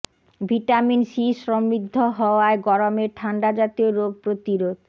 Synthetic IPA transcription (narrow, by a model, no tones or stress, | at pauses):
bʱiʈaminʃiʃɾɔmɾid̪ʱːoɦɔoaeɡɔɾomeɾʈʰaɳɖad͡ʑat̪ioɾob̚pɾot̪iɾod̪